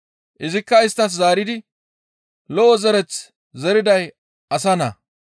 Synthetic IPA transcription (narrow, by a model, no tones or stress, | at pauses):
ʔɪzɪkːɐɪst̪ːɐs̬zaːɾɪd̪ɪ | lɔʔɔzɛɾɛt͡s | zɛɾɪd̪ɐj | ɐsɐnɐ̰